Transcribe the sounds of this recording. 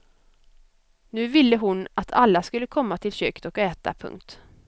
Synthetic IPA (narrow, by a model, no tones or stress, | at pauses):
nʉ̟ːvɪlːəɦʊnat̪ʰalːaskɵlːəkʰɔmːat̪ʰɪlɕøːkd̪ɔkɛːt̪a̰pʰɵ̰ŋkt̪